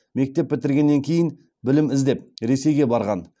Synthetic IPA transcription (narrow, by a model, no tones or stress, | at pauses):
me̞k̚t̪e̞pːɪt̪ɪɾɡʲe̞nːeŋkʲʰe̞jɪn | bɪlɪmɪzd̪e̞p̚ɾe̞se̞jɡʲe̞bɑɾʁɑn